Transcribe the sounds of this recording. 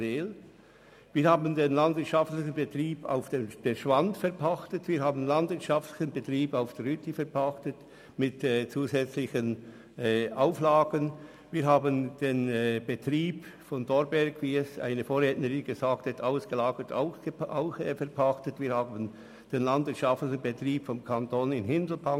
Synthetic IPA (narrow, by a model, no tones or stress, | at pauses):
ɪl | viːɾhaːbən̩denlandvɪɐtʃaftlɪçən̩bətriːba̰ʊfd̥emd̥eʃv̥antfɛʁpʰaxtətviːɐhaːbən̩landvɪɐtt͡ʃʃaftlɪçənbətriːbaʊfd̥ɛɾhytʰəfɛɾpʰaxtət | mɪtɛːt͡suːzɛt͡slɪçənː | ʔaʊflaːɡən | viːɐɾɦaːbənd̥eːnb̥ətriːpfɔndɔɾbɛɾɡviːɛsa̰ɪnəfoːɾʁɛːtnəʁɪnɡəzaːk̚thataʊsɡ̥əlaːɡətʰa̰ʊsəaʊxfɛɾpʰaxtətviːɾhaːbən | d̥eːnlandvɪɐtʃaftlɪçn̩bətriːpfɔmkʰantoːnɪnɦɪndl̩pʰaŋ